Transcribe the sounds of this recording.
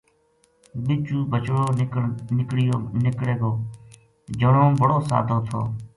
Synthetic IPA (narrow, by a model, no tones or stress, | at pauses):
ɓɪt͡ʃuːbʱət͡ʃɽoːnɪkɽɪjonɪkɽeːɡoː | d͡ʒəɳõːbʱəɽoːsa̰ːd̪ʱoːt̪ʰo̰ː